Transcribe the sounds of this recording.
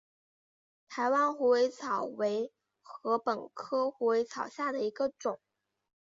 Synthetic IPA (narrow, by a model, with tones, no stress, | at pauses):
t̪ʰa˧˥ɪwa˥nxu˧˥we˧˥ɪt͡sʰɑ˨˩ʊwe˧˥ɪ | xɤ˧˥pə˨˩nkʰɤ˥xu˧˥we˧˥ɪt͡sʰɑ˨˩ʊɕja˥˩d̪ə˩i˧˥ɡə˧ʈ͡ʂʊ˨˩˦ŋ